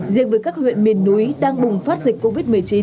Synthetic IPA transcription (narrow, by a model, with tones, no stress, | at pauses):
zḭ˧˨ək̚vəː˨˦jkaː˦˥k̚hwḭ˧˨ənmi˨˩nːu˨˦jɗaː˧ŋɓʊ˨˩ŋ͡mfaː˦˥t̚zï˨˩k̚kːo˧vi˦˥t̚mɨ˨˩əjt͡ɕi˨˦